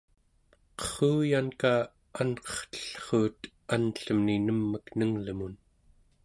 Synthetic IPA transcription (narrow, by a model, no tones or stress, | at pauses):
qʌ̥χuːjankaː | anqʌ̥χt̪ə̥ɬχuːt̪ | anɬəmninəmːəknəŋləmun